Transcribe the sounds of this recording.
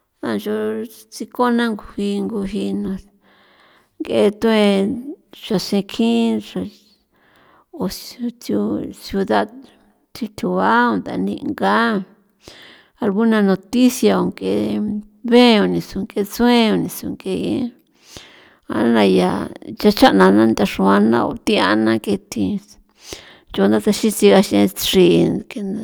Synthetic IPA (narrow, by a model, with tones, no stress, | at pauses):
ã˧nʒo˧ | t͡si˧ko˦nã˦ŋɡu˧hi˧ŋɡu˧ɦi˧nã˧ | ŋɡe˧˦t̪ũ˦ẽ˧ | ʒ̥a˧sẽ˧kʰĩ˦ʐa˧ | o˨˧tju˧sju˧ða˦d | t̪ʰi˧t̪ʰu˨βa˦o˧nd̪a̰˧nḭ̃˧ŋɡa˦ | a˧lɡu˦nã˧nõ˧t̪i˦sja˧o˧˨ŋke˧˨ | βẽ˦˧o˧nĩ˧su˧ŋke˧t͡sũ˦ẽ˦o˧nĩ˧su˧ŋke˧jḛ̃˦˧˦ | a̰˧˦nã˧ja̰˨t͡ʃa˧t͡ʃa˦ʔnã˧nã˦nd̪a˧ʂu˧a˧nã̰˧o̰˧t̪i˧a˧nã˦ke˧t̪ʰi˧ | t͡ʃo˧nd̪a˦t̪a˧ʃĩ˦t͡si˧ɣa˧ʃẽ˧ʂi˧ke˧n